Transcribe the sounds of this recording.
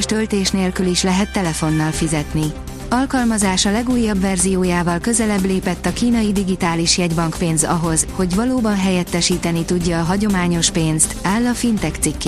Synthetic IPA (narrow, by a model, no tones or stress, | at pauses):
ʃt̪ø̞lt̪eːʃneːlkyliʃlɛɦɛt̪ːɛlɛfo̞nːɒlfizɛt̪ni | ɒlkɒlmɒzaːʃɒlɛɡuːjːɒbvɛrzijoːjaːvɒlkø̞zɛlɛbleːpɛt̪ːɒkiːnɒjid̪iɡit̪aːliʃjɛɟbɒŋkpeːnzɒɦo̞zho̞ɟʋɒloːbɒnɦɛjɛt̪ːɛʃiːt̪ɛnit̪uɟːɒːɦɒɟo̞maːɲo̞ʃpeːnst̪aːlːɒfint̪ɛkt̪sikː